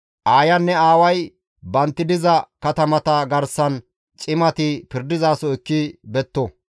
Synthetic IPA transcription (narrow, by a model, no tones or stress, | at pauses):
ʔaːjɐnːɛaːwɐj | bɐnt̪ːɪd̪ɪzɐkɐt̪ɐmɐt̪ɐɡɐɾsɐn | t͡ʃʼɪmɐt̪ɪpɪɾd̪ɪzaːsɔɪkːɪbɛt̪ːɔ